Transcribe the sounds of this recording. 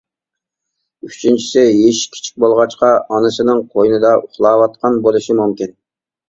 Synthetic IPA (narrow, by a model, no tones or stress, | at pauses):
yt͡ʃʰint͡ʃʰi̥sɪɦeʃkʲʰi̥t͡ʃʰi̥k̚ʲbolˠʁɑt͡ʃqɑɑnɨsɨnɨŋqʰojnɨd̪ɑʔuχlˠɑːwɑt̪̚qʰɑnbolˠɨʃimumkʲin